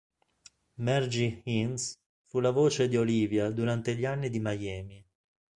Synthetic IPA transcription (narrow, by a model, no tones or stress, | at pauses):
mɛrd͡ʒihins | fulavoːt͡ʃed̪ioliːvjad̪uɾant̪eʎːanːid̪imajɛːmi